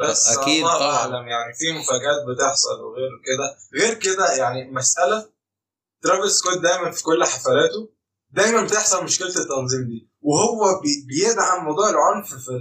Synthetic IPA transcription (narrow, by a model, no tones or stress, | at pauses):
bæsːˤɑːʔaʕlæmjaʕnifiːmofæːɡæːt̪̚bet̪eħsˤɑ̰lwḛɣeːɾked̪æɣeːɾked̪æjaʕnimæsʔælæ | t̪ɾˤɑbelskod̪̚d̪æjmænfi̥kolːħafælæːt̪o | d̪æjmænbet̪eħsˤɑlmoʃkelt̪et̪ːɑnzˤiːmd̪iː | wehowːæbbejeʔd̪aʕanwɑd̪ˤuːʕelʕonffi